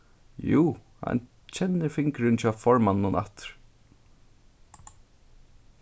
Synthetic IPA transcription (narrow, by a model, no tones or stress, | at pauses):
juː | ha̰n | t͡ɕʰɛnːɪɾfɪŋkɾɪnt͡ʃafɔɹmanːʊnʔa̰t̪ɾ̥